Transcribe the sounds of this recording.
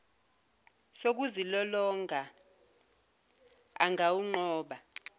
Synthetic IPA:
sok̬uzilɔlɔŋʱa | a̰ŋʱawuŋ͡ǃɔːɓa

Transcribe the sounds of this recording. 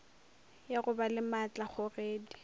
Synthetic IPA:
jarʊbalɪmat͡ɬʼaχʊreːdi

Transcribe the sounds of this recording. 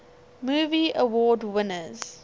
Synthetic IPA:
muːviəwɔːdwɪnəz̥

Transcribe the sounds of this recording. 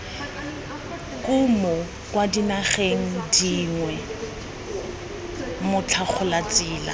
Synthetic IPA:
kʼʊmɔ | kwadinaχeŋ̩diŋwɛ | mʊt͡ɬʰak͡xʰʊlat͡sʼɪːla̰

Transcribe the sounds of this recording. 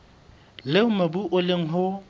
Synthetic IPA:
leʊmabuʔʊleŋ̩ɦʊ

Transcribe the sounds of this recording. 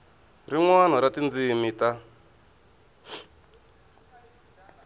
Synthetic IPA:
ɾiŋwanaɾatind͡zimita

